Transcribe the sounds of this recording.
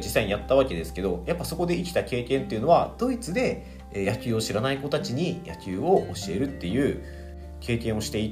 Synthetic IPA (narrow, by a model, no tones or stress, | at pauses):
d͡ʑisːaijat̪ːaβ̞ake̞d̪e̞sɨ̥ke̞d̪o̞japːaso̞ko̞d̪e̞ikʲi̥t̪ake̞ːkẽ̞nt̪ːe̞iɯ̟no̞βad̪̥o̞it͡sɨd̪e̞ː | jakʲɨːo̞ɕiɾanaiko̞t̪at͡ɕiɲ̟ija̰kʲɨːo̞ʔoɕie̞ɾɯ̟t̪ːe̞jɯ̟ː | ke̞ːkẽ̞ɰ̃o̞ɕi̥t̪e̞i